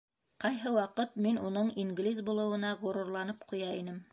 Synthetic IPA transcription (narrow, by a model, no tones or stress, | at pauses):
qɑjɦɤwɑqɤt̪̚minunɤɴiŋɡlʲizbulˠɤ̆wɤ̆nɑʁŏɾŭɾlˠɑnɤpqujɑinɘm